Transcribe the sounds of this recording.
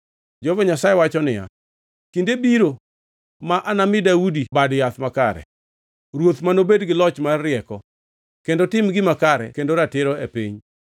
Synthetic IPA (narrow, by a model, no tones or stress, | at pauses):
d͡ʒovɔɲasajɛwat͡ʃɔnɪja̰ | kindebiɾo | maʔanamɪdaudibadjat̪makaɾɛ̰ | ɾwot̪manobedɡɪlɔt͡ʃmaːɪɛkɔ | kendotɪmɡɪmakaɾɛ̰kendoɾatɪɾɔepiɲ